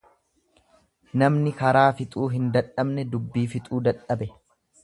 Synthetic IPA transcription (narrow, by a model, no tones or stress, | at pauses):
nɐmnɪkɐɾaːfɪt̪ʼuːɦɪnd̪ɐᶑɐbnɛd̪ʊbːiːfɪt̪ʼuːd̪ɐᶑɐbɛ